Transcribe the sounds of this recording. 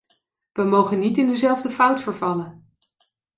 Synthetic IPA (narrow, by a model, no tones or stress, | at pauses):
ʋəmowχənːitɪndəzɛlˠvdəfʌwtfəɹvɑlən